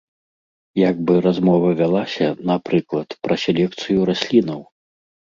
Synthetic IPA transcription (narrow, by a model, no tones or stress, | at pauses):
jaɡ̚bɨɾazmɔvɐvʲalˠasʲɐnapɾɨklˠɐt̪pɾɐsʲɛlʲɛk̚t̪sɨjuɾasʲlʲinɐw